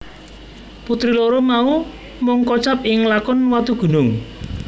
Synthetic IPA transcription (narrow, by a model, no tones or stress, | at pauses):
put̪ɾiloɾomau | mʊŋkɔt͡ʃapɪŋlakɔnwat̪uɡ̥ṳnʊŋ